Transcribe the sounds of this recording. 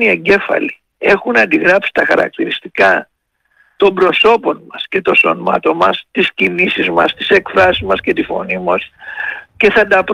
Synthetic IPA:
nie̞ɲɟe̞fɐ̰li | e̞xunɐnd̪iɣɾɐpsi̥t̪ɐxɐ̰ɾɐ̰k̚t̪iɾist̪ikɐ | t̪o̞mbɾo̞so̞po̞nmɐsce̞t̪o̞so̞̰nmɐ̰t̪o̞nmɐst̪iscinisizmɐ̰st̪i̥se̞kfɾɐsizmɐsce̞t̪ifo̞̰nimɐsce̞θɐd̪ɐp

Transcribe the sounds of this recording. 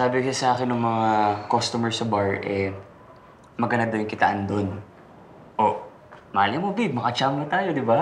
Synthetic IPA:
saːbɪkɐsɐʔaːkɪnːʊŋmɐŋakost̪umɛɹsɐbaɹʔɛ | mɐɡɐnad̪ojŋkɪt̪ɐʔand̪on | ʔo | maːlɪmobib̚mɐkɐt͡ʃamnɐt̪aːjod̪ɪba

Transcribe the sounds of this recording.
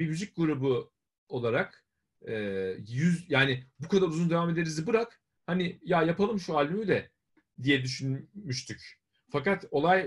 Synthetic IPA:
imyzyc̚ɡuɾubu | o̞lˠaɾak | ɛːjyzjaːnɪbukʰad̪aɾuzund̪e̞vame̞d̪e̞ɾizibɯɾak | hanijajapalˠɯmʃuaːlʲymyd̪ɛ | d̪ijɛd̪yʃynmyʃt̪ʰyc | fakat̪o̞lˠaj

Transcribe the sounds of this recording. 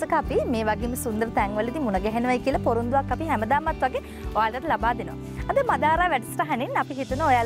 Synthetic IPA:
əkəapimeːʋaɡeːmːəsund̪əɾət̪ɛŋʋəlid̪imunɐɡɛɦenəʋajkiəlɐpoɾund̪uʋakːapiɦæməd̪aːmat̪ʋaɡe | oʋaːlt̪at̪əlabaːd̪enəʋa̰ | ad̪əmad̪aːɾaːʋæʈisʈaɦaninapiɦit̪unəoja

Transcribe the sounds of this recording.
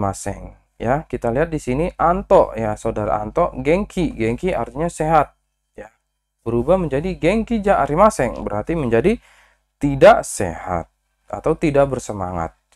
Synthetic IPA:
masɛ̰ŋ | jakit̪aliɦat̪̚disiniʔant̪ɔʔjasaodaɾa̰a̰nt̪ɔʔɡɛŋkʰiɡɛŋkia̰rt̪iɲaseɦat̪̚ | ja | bəɾubahməɲd͡ʒadiɡɛŋkid͡ʒaʔaɾimasɛŋbəɾart̪iməɲd͡ʒadi | t̪idaʔsḛha̰t̪̚ | a̰t̪awt̪idaʔ̚bərsəma̰ŋa̰t̪̚

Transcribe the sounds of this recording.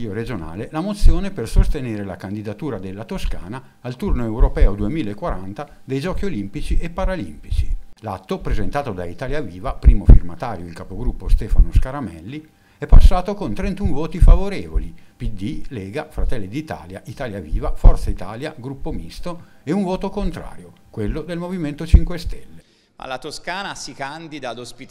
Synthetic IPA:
oɾed͡ʒona̰ːlelamot̪sːjoːnepersost̪eneːɾelakand̪id̪at̪uːɾad̪elːat̪oska̰ːnaːlt̪urnoewɾopɛːod̪uemiːlaekːwaɾa̰nt̪a | d̪ejd͡ʒɔːkiolimpit͡ʃiʔepːaɾalḭmpit͡ʃi̥la̰t̪ːopɾezent̪aːt̪od̪ait̪aːljaviːvapɾiːmofḭrmat̪aːɾjoilkapoɡɾupːost̪ɛːfa̰noskaɾamɛ̰lːi | ɛpːasːaːt̪okont̪ɾent̪uɱvɔːt̪ifavoɾɛːvo̰lipid̪ileːɡafɾat̪ɛlːid̪it̪a̰ːlja̰ʔit̪aːljavḭːvafɔrt̪sait̪aːljaɡɾupːomist̪oeuɱvoːt̪okont̪ɾa̰ːɾjo | kwelːod̪elmoviment̪ot͡ʃiŋkwest̪ɛlːe | a̰lːat̪oskaːnasikand̪id̪aːd̪ospit̪

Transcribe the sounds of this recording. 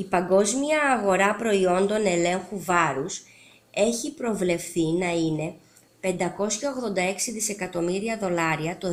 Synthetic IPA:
ipɐŋɡo̞zmiɐːɣo̞ɾɐpɾo̞io̞nd̪o̞ne̞le̞ŋxuvɐɾus | e̞çipɾo̞vle̞fθinɐine̞ | pe̞nd̪ɐko̞sçɐo̞ɣðo̞nd̪ɐe̞ksiðise̞kɐt̪o̞miɾiɐðo̞lɐɾiɐt̪o̞

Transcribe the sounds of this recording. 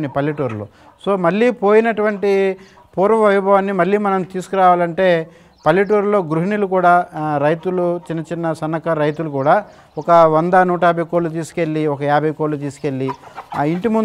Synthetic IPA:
nipɐlːiʈoːɾlo̰ː | so̞ːmɐɭːiːpo̞ːjinɐʈuʋɐɳʈi | puːɾʋɐmɐʋibʱɐʋaːnːimɐɭːiːmɐnɐmt̪iːsu̥kuɾaːʋaːlɐɳʈe̞ː | pɐlːiʈ̬oːɾlo̞ːɡɾuɦinilukuːɽaːɾɐjt̪ulut͡ʃinːɐt͡ʃinːɐsɐnːɐkɐɾɐjt̪ulukuːɽaː | ɔkɐʋɐnd̪ɐnuːʈ̬aːbʱɐjkoːlut̪iːsu̥ke̞lːiɔkɐjaːbʱɐjkolːut̪̬iːsu̥ke̞lːiiɳʈimun

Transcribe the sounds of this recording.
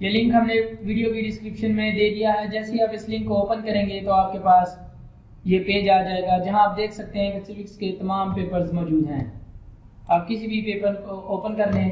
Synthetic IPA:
jelɪ̃ŋkɦɐmneʋiːɖijobiɖɪskɾɪpʃənmẽd̪eːd̪ijaɦɛd͡ʒɛːseaːpɪslɪ̃ŋkːooːpənkɐɾẽːŋɡet̪oaːp̚kepaːs | jepeːd͡ʒaːd͡ʒaːeːɡad͡ʒɐɦãaːp̚d̪eːkʰsɐk̚t̪eɦɛ̃pɛsɪfɪksket̪ɐmaːmpeːpəɾzmɔːd͡ʒuːd̪ɦɛ̰̃ː | aːp̚kɪsibʱipeːpəɾkooːpənkɐɾne

